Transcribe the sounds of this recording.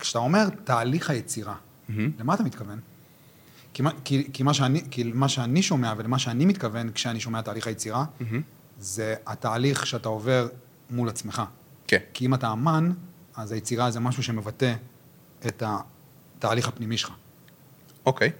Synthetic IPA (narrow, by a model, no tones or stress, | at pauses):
kʃe̥atao̞me̞ʁtaːliχajet͡siʁa | lemat̪amit̪kave̞n | kimakikimaʃeanikilmaʃeaniʃo̞me̞avelemaʃeanimit̪kave̞nkʃeaniʃo̞meataːliχajet͡siʁa | ze̞ataːliχʃeatao̞ve̞ʁ | mulat͡sme̞χa | kekiimataːmanazajet͡siʁaze̞maʃuʃe̞me̞vate̞ː | ta | taːliχapnimiʃelχa | okej